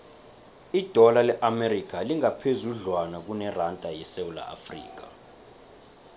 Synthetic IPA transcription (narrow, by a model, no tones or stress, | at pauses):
id̥ʱɔlalɛʔamerik̬ʰʼaliŋapʰezuɮwanak̬unɛrantʼajɛsewula̰ʔa̰frḭːk̬a